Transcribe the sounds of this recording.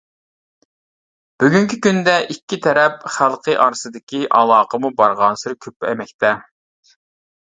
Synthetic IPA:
b̥yɡʲyŋkʲikʲynd̪ɛʔikʲːit̪ʰɛɾɛp̚χælˠqʰəʔɑɾsɨd̪ɪkʲiʔɑlˠɑːqʰəmubɑɾʁɑnsɨɾkʲʰøpːɛmɛk̚ʲt̪ʰɛ

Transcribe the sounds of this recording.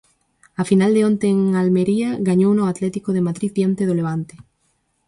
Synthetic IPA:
afinald̪eont̪eːŋalmeɾiaɣaɲownoat̪lɛt̪ikoðemaðɾiðdjant̪eðoleβ̞ant̪e̥

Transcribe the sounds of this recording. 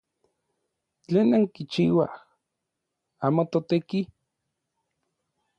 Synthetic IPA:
t͡ɬeːnaŋkit͡ʃiːwa̰h | aːmot̪ot̪eki

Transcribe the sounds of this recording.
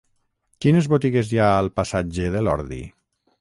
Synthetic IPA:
kinezβot̪iɣezjaəlˠpasad͡ʒeðelɔ̰ɾðḭ

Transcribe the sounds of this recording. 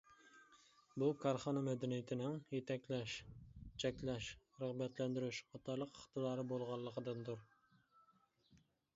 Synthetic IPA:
bukʰɑɾχɑnɑmɛd̪ɛnijɪt̪ʰɪnɪŋjet̪ʰɛkʲlɛʃt͡ʃʰɛkʲlɛʃ | ɾəʁbɛt̪lɛnd̪ɪɾyʃɑt̪ʰɑɾlˠəqəχt̪ɨd̪ɑːɾɨbolˠʁɑlˠːəqəd̪ɨnd̪uɾ

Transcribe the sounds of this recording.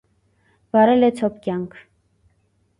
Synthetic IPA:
vɑɾɛlɛt͡sʰɔpkjɑŋkʰ

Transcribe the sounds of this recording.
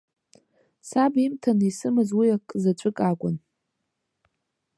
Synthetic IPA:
sabimtʰanisɨmɨzwiakʼːzat͡ɕʷʰʼɨkʼakʷʼʊ̰n

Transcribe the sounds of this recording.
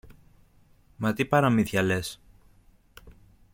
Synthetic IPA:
mɐt̪ipɐɾɐmiθçɐles

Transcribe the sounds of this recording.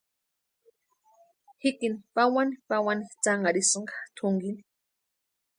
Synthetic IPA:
hikinipawanipawanit͡saŋaɾisɨŋɡḁt̪ʰʊŋɡini̥

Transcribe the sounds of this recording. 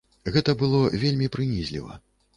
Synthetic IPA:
ɣɛt̪ɐbɨlˠɔvʲelʲmʲipɾɨnʲizʲlʲḭvɐ̰

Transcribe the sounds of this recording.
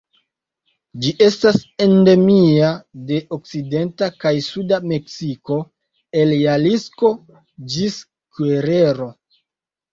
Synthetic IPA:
d͡ʒiʔe̞stase̞nde̞miade̞ʔok̚side̞ntakajsudame̞ksiko̞ | eljalisko̞ | d͡ʒis | kweɾe̞ɾo̞

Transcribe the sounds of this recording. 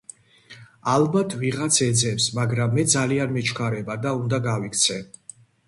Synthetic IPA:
albat̪ʰviʁat̪sʰɛd̪zɛfsmaɡɾamːɛd̪zalianmɛt͡ʃʰkʰaɾɛbad̪aund̪aɡavikʰt̪sʰɛ

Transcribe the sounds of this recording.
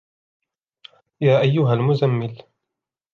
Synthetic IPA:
jaːʔajːʊɦalmʊzamːɪl

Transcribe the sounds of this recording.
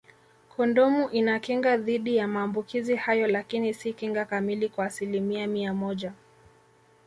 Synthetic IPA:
kʰɔndɔmuʔinakiŋɡaðiɗijamaːmbukizihajɔlakinisikiŋɡakamilikwaːsilimiamiamɔʄa

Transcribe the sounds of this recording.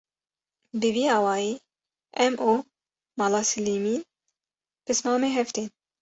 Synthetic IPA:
bɨviːɑːwɑːjiː | ɛmʔuː | mɑːlɑːsɨliːmiːn | pɨsmɑːmeːɦɛft̪eːn

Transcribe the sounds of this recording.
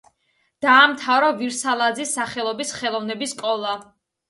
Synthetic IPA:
d̪̥aːmt̪ʰavɾɔviɾsalˠad̪zisːaχɛlˠɔbisχɛlˠɔvnɛbiskʼɔlˠa

